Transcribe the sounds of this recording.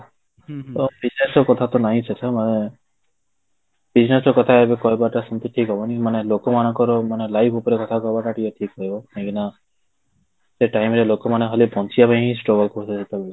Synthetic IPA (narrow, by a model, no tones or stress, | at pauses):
obid͡ʒnesɔkɔt̪ʰat̪ɔnaɦĩt͡ʃʰet͡ʃʰamane | b̥id͡ʒnesɔkɔt̪ʰaebekɔɦibaʈasɔmt̪iʈʰikɦɔbɔnimanelokɔmañɔ̃ŋkɔɾɔmanelajpʰupɔɾekɔt̪ʰakɔɦbaʈaʈiɔʈʰikɦɔɦibɔẽkina | seʈajmɾelokɔmaneɦɔlipɔ̃nt͡ʃiapãɦĩsʈoɡɔlkusesit̪abel